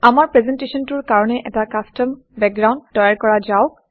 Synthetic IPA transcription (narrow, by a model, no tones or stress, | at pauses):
amaɹpɹɛzɛntesɔntuɹkaɹɔnɛʔɛtakastɔm | bɛk̚ɡɹawndːɔjaɹkɔɹazaʊk